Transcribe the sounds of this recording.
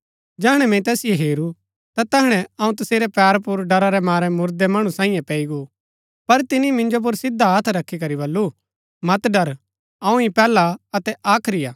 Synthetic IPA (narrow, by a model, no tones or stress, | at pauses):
d͡ʒɛːɦɽ̃ɛmɛ̃t̪ɛːsɪjeɦeːɾu | t̪at̪ɛɦɽ̃ɛɐũt̪̬ɐseːɾɛpɛːɾpʊɾɖɐɾaɾɛmaːɾɛmʊɾd̪ɛmɐɽ̃ũsãːĩjẽpɛːiɡu | pɐɾt̪ɪnimɪ̃nd͡ʒop̬ʊɾsɪd̪ʱaɐt̪ʰɾɐkʰːikɐɾibɐlːu | mɐt̪ɖɐɾ | ɐ̃ũipɛːlaɐt̪ɛʔaːkʰɾɪjaː